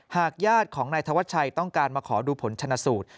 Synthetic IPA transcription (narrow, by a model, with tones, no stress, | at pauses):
haː˨˩k̚jaː˥˩t̪̚kʰɔː˩˦ŋnaː˧jt̪ʰa˧wa˦˥t̪̚t͡ɕʰa˧jt̪ɔ˥˩ŋkaː˧nmaː˧kʰɔː˩˦duː˧pʰo˩˦nt͡ɕʰa˧nːaː˧suː˨˩t̪̚